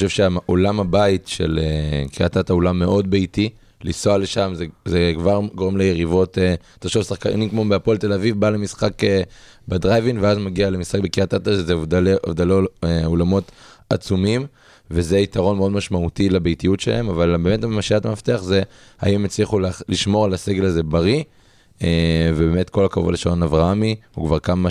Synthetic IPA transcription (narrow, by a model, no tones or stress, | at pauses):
oʃevʃeaʔolamabaitʃḛlekiat̪ataolamːe̞ʔo̞dbejti | lisoale̞ʃamzezekvaʁɡo̞ʁemlejeʁivo̞te | t̪aʃovsaχka̰nikmo̞beapolt̪e̞lavivbalemisχake | bedʁajvinveazmaɡialemisχak̚bekiatataʃezeovdaeo̰vd̪aleeolamo̞ta̰t͡sumim | veze̞itaʁo̞nmeodmaʃmautilebejtijutʃela̰emavalbemetamaʃiatamaft̪eaχze | a̰imet͡sliχulaliʃmo̞ʁalaseɡe̞laze̞baʁi | evebeme̞tko̞lakavuva̰leʃaonavʁaamiukvaʁkama